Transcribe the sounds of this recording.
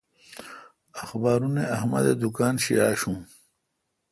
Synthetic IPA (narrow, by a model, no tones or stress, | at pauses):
axbaːɾuneɐhmɐ̰d̪ed̪ukaːnɕḭaːɕũː